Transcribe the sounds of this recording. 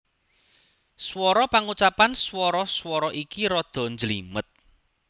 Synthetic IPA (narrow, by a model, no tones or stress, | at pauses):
swɔɾɔpaŋut͡ʃapanswɔɾɔswɔɾɔʔikiɾɔd̪̥ɔ̤ɲd͡ʒəlḭmət̪̚